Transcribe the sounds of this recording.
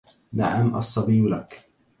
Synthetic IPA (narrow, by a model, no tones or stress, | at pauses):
na̰ʕamʔɑ̰sˤːɑbiːlak